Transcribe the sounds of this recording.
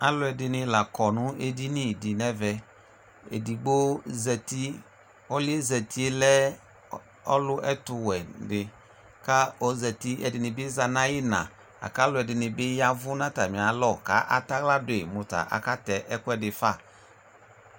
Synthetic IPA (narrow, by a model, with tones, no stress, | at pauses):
a˨˦lʊ˦ɛ˨dɪ˧nɪ̃˧la˨kɔ˨nʊ̃˦e˦di˦nɪ˦˨di˨nɛ˦vɛ˨ | ḛ˨di˨ɡ͡bo˦zɛ˨ti˦ | ɔ˦lɪ˦e˦zɛ˨tʰi˦e˦lɛ˦ | ɔ˦lʊ˦ʔɛ˦tʊ˨wɛ˨dɪ˨ | ka˦ɔ˨˦zɛ˨ti˦ɛ̰˨dɪ˨nɪ˨bɪ˦za˨nã˦jɪ˦nã̰˨ | a̰˨ka˦lʊ˦ɛ˨dɪ˨nɪ˨bɪ˦ja˦vʊ˦nã˦ta˨mɪ̃˨a˨lɔ˦˨ka̰˨˦ʔa˨˦ta˦kla˦dʊ˨e˨mʊ˨ta̰˨ʔa̰˨ka˦tɛ˨ʔɛ˦kʊ˦ɛ˨dɪ˨fa˦˨